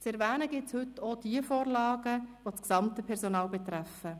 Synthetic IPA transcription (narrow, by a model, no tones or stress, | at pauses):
t͡sɛɾʋæːnəɡɪtshʏtːod̥iəfoːɾlɑːɡəʋot͡sksɑmtəpʰɛɾsonɑːlbɛt̪ɾæfə